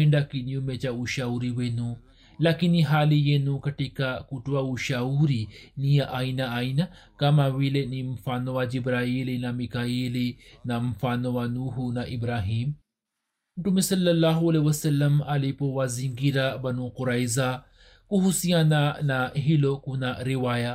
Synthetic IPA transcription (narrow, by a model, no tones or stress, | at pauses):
eɳdakiniumet͡ʃauʃauɾiwenũ | lakiniɦalijenũkaʈikakutuauʃauɾinijaʔajnaajna | kamawilenimfanɔwad͡ʒibɾailinamikajilinamfanowanuɦunaʔibɾaɦiːm | muʈumesɐlːɐlːaɦuɐlewɐsɐlːɐmalipowaziŋɡiɾabanuquɾajza | kuɦusiananaɦilokunaɾiwaja